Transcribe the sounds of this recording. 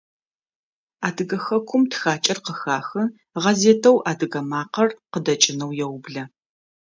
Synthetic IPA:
aːdɨɡɐxɐkʷʰʊmtxaːt͡ʃʼɐrqəxaːxɨ | ʁɐzeːtʰɐwʔaːdɨɣɐmaːqɐrqədɐt͡ʃʼɪnɐwjɛwʊbɮɐ

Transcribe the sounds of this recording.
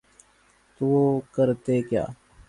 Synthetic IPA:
t̪uoːkəɾt̪eːkja̰ː

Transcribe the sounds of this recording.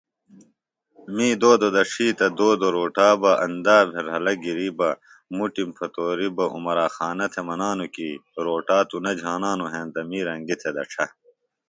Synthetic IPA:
miːd̪oːd̪od̪ɐʂiːt̪ɐd̪oːd̪oɾoːʈaːbɐʔɐ̰nd̪aːbʱeɾɦɐlɐɡiɾibɐ | muʈimpʰɐt̪oːɾibɐʔṵmɐɾaːxaːnɐt̪ʰemɐnaːnukiɾoːʈaːt̪unɐd͡ʑʱaːnaːnuɦẽːnt̪ɐmiːɾɐŋɡit̪ʰed̪ɐ̰ʈ͡ʂʰɐ

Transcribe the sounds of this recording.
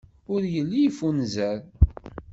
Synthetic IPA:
ʊɾjəlːijfunzəɾ

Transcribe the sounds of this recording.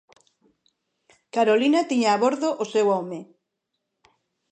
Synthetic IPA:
kaɾolinat̪iɲaːβoɾðoʔosewɔmɪ

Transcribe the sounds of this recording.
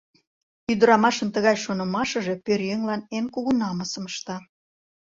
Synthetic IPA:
yd̪əɾɑmɑʃənt̪əɣɑjʃonə̆mɑʃə̆ʒe̽pørjøŋlɑnenkuɣunɑməsəməʃt̪ɑ

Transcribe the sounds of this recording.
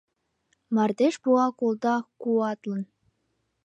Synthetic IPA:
mɑrd̪eʃbuɑkolˠd̪ɑkuɑt̪lɤ̆n

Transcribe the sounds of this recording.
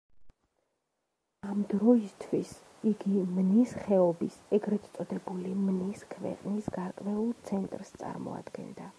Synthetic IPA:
amd̪ɾɔist̪ʰwis | iɡimnisχɛɔbisɛɡɾɛt̪ssʼɔd̪ɛbulimniskʰvɛ̰qʼnisɡaɾkʼvɛulˠt̪sʰɛnt̪ʼɾst̪sʼa̰ɾmɔ̰a̰d̪̥ɡɛ̰nd̪a

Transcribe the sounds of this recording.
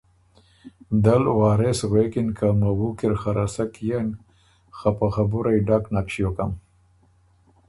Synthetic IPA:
d̪alwɑːɾesɣekɪnkamawukɪɾxaɾʔasakjan | xapaxabuɾajɖaknakʃjokam

